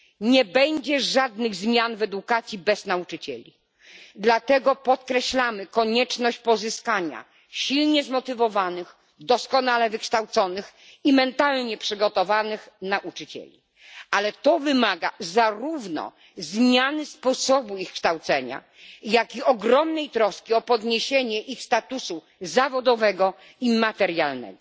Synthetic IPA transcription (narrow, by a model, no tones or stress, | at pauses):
ɲɛbɛɲd͡ʑɛʐad̪nɘɣzmʲjanvɛd̪ukat̪sʲjibɛznaut͡ʂɘt͡ɕɛ̰lʲi | d̪lat̪ɛɡɔpɔt̪kɾɛɕlamɘkɔɲɛt͡ʂnɔɕt͡ɕpɔzɘskaɲa̰ | ɕilɲɛzmɔt̪ɘvɔvanɘx | d̪ɔskɔnalɛvɘkʂt̪awt̪sɔnɘximɛnt̪alɲɛpʂɘɡɔt̪ɔvanɘxnaʔut͡ʂɘt͡ɕɛ̰lʲḭ | alɛt̪ɔvɘmaɡa̰zaɾuvnɔ̰ | zmʲjanɘspɔsɔbuixkʂt̪awt̪sɛɲa̰ | jakiɔɡɾɔmnɛjt̪ɾɔskʲiɔpɔd̪ɲeɕeɲɛʔixst̪at̪usu | zavɔd̪ɔvɛɡɔ | imat̪ɛɾjalnɛ̰ɡɔ